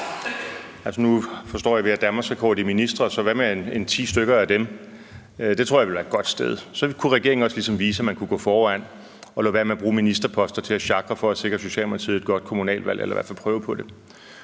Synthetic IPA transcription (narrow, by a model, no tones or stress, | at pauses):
ælsɒnufɒsd̥ɒ̰ːjɑ̈ʋe̝æd̥ænmɑsekʰɒ̰d̥iminisd̥ʁɐsɒ̽ʋæmene̝nt͡sʰḭːsd̥øɡ̥ɐæd̥em | d̥e̝t͡sʰʁo̝ɐ̰jʋe̝lʋæɐed̥ɡ̥ɒ̽d̥sd̥eð̞ˠsɒ̽kʰuʁɛɡ̥e̝ɐ̰eŋn̩ɒ̽slisɒ̽mʋiːsəæmænkʰuɡ̥ɔ̰ːfɒːæn̰ | ɒ̽loʋæɐmeæb̥ʁuːminisd̥ʁɐpʰɒ̽sd̥ɐt͡sʰe̝æɕɑ̈ɡ̥ʁɐfɒ̽æse̝ɡ̥ʁɐso̝ɕɛ̰ːlmɑt͡sʰið̩ˠed̥ɡ̥ɒ̽d̥̚kʰo̝munɛ̰ːlʋæl̰ʔḛlʔɐʋæɐ̰fælpʰʁœːʊəpʰɒ̽d̥e̝